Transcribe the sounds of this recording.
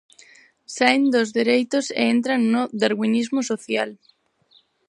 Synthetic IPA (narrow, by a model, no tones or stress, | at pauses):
sajnd̪ozðeɾejt̪osḛent̪ɾanːoðaɾɣwinizmosoθjal